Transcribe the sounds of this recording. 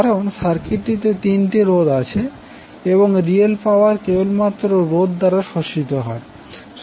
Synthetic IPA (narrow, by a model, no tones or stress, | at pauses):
aɾonʃaɾkiʈ̪it̪et̪inʈiɾod̪at͡ɕʰe | eboŋɾielpawaɾkebolmat̪ːɾoɾod̪ːaɾaʃoʃit̪oɦɔe